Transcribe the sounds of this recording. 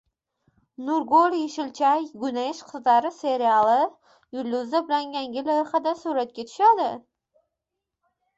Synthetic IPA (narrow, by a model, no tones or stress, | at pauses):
nʊɾɡoljeʃɪlt͡ʃʰajɡʊnajɪʃqʰɨzd̪aɾɪse̞ɾialˠɪ | jʊlʲːʊzabɪlaŋjaŋɡʲɪlajɪχad̪asuɾat̪̚kʲat̪ʰʊ̥ʃad̪ɪ